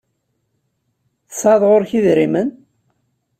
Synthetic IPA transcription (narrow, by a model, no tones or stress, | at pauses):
θəsɑðˤʁoɾçiðɾimən